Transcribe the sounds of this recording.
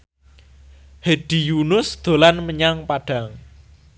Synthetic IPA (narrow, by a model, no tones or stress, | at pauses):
hed̥ijunʊsd̪̥o̤lanməɲaŋpaɖ̥a̤ŋ